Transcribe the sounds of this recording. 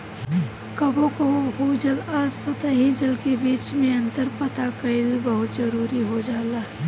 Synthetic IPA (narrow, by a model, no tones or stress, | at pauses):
kɐbõkoɦod͡ʒəlaːɾsɐt̪aɦid͡ʒəlkebiːt͡ʃmẽɐ̃nt̪əɾpət̪akəɪlbəɦʊt̪zəɾuːɾiɦod͡ʒaːlaː